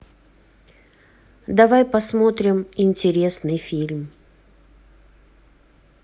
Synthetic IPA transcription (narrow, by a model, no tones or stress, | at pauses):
d̪ɐvajpɐsmo̞t̪ɾʲɪmɪnʲtʲɪɾʲe̞snɨjfʲilʲm